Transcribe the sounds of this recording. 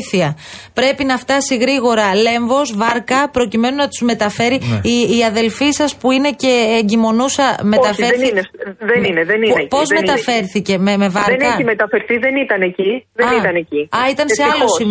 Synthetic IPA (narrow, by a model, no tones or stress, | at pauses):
θiɐ | pɾe̞pinɐft̪ɐsiɣɾiɣo̞ɾɐle̞ɱvo̞zvɐɾkɐpɾo̞cime̞nunɐt̪uzme̞t̪ɐfe̞ɾiːɐðe̞lfisɐspuine̞ce̞ːɲɟimo̞nusɐme̞t̪ɐfeɾinðenineðeninepozme̞t̪ɐfe̞ɾθice̞meme̞vɐðɾenkɐimet̪ɐfe̞ɾθiðe̞nit̪ɐneciðeɐnit̪ɐneciɐit̪ɐnseɐlosim